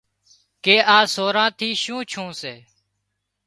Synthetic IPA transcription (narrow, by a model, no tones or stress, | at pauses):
keːʔaːsoːɾãːt̪ʰiːʃũːt͡ʃʰũːseː